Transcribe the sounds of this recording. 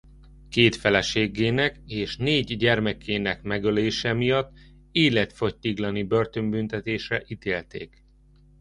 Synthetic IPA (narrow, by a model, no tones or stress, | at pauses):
keːt̪fɛlɛʃeːɡːeːnɛkeːʃneːɟɟɛrmɛkːeːnɛkmɛɡøleːʃɛmijɒt̪ː | eːlɛt̪fo̞ct̪iɡlɒnibø̞rt̪ø̞mbynt̪ɛt̪eːʃrɛʔit̪eːlt̪ḛːk